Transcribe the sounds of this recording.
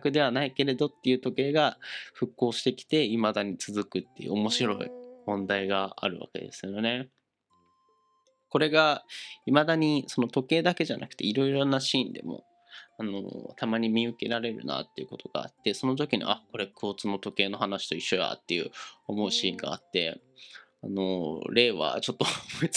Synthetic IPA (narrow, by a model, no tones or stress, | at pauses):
kɯ̟d̪e̞βanaike̞ɾe̞d̪o̞t̪ːe̞jɯ̟ːt̪o̞ke̞ːɡaɸɯ̟kːo̞ːɕi̥t̪e̞kʲi̥t̪e̞imad̪aɲ̟it͡sɨzɨkɯ̟t̪ːe̞jɯ̟omo̞ɕiɾo̞ḭmõ̞nd̪aiɡaa̰ɾɯ̟βa̰ke̞̰d̪e̞̰sɨjone̞ | ko̞ɾe̞ɡaimad̪aɲ̟iso̞no̞t̪o̞ke̞ːd̪ake̞ʑanʔa̰kɯ̟̥t̪e̞iɾo̞iɾo̞naɕiːnd̪e̞̰mo̞̰ | ano̰t̪amaɲ̟imʲiɯ̟ke̞ɾaɾe̞ɾɯ̟̰na̰t̪ːe̞iɯ̟ko̞t̪ʰo̞ɡ̥a̰ːt̪ːe̞so̞no̞t̪̬o̞kʲiɲ̟ḭʔako̞ɾe̞kʰoːt͡sɨno̞t̪o̞ke̞ːno̞ɦanaɕi̥t̪o̞iɕːo̞ja̰t̪ːe̞jɯ̟omo̞ɯ̟ɕiːŋɡa̰ːt̪ːe̞̰ | ano̞ɾe̞ːβa̰t͡ɕo̞t̪ːo